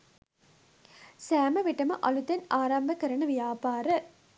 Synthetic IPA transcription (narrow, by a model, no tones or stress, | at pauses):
sæːmɐʋiʈɐmɐʔɐlut̪enaːɾɐmbɐkɐɾɐɳɐʋijaːpaːɾə